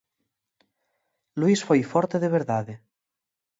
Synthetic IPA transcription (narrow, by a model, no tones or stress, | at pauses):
luisfojfɔɾt̪eðeβ̞eɾðaðe